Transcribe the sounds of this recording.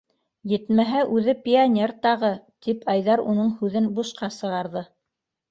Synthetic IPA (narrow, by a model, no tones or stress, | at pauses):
jɘ̆t̪mæɦæʔʉðɘpʲɪanʲe̞rt̪ɑʁɤt̪ipʰɑjðɑɾunɤɴhʉðɘnbuʃqɑsɤ̆ʁɑɾðɤ